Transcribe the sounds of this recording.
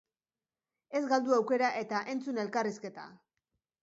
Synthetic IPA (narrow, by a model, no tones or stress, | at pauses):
e̞zɡald̪uawke̞ɾaʔe̞t̪aʔe̞nt͡sune̞lkariske̞t̪a̰